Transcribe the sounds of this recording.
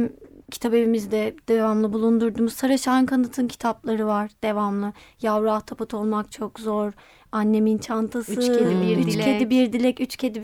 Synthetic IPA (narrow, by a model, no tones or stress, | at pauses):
mcʰi̥t̪ʰabe̞vimizd̪ɛd̪̥evamlˠɯbulˠund̪uɾd̪umuzsaɾaʃankʰanɯt̪ʰɯncʰi̥t̪ʰaplˠaɾɯvaɾd̪̥e̞vamlˠɯjavɾaht̪ʰapɯt̪ʰo̞lˠmak̚t͡ʃʰokzo̞ɾ | anːe̞mint͡ʃʰant̪ʰasɯeyt͡ʃʲcʰed̪ibiɾd̪ilʲɛcyt͡ʃcʰed̪i